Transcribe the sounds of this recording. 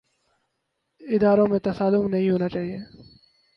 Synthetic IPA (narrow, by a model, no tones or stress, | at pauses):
ɪd̪aːɾõmẽt̪ɐsaːlʊmnɐɦĩɦoːnat͡ʃaːɦieː